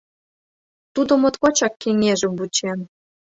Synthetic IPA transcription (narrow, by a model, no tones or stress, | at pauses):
t̪ud̪ŏmŏt̪kot͡ɕɑkːeŋeʒə̆mbut͡ɕen